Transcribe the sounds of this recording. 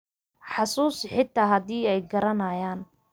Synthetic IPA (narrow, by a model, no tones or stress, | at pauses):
ħɑsuːsħɪt̪ʰːaːɦɐðiːɛjɡɐɾɐnɐjaːn